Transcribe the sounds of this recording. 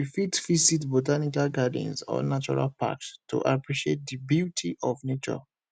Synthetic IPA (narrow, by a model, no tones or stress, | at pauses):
ifitfisitbotanikalɡadḭ̃nsɔ̰̃nat͡ʃɔɹa̰lpa̰kstːṵʔapɹiʃiet̚dibjutʰiʔɔvnet͡ʃɔ̰